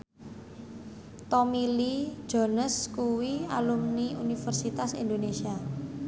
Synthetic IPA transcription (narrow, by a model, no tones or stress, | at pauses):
t̪omili̥d͡ʒ̥ɔ̤nəskuwialumniunifərsit̪asḭnd̪onesia